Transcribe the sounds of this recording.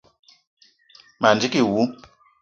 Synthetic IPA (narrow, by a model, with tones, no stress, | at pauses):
ma˨nd͡ʒi˦ki˦˨wu˨˦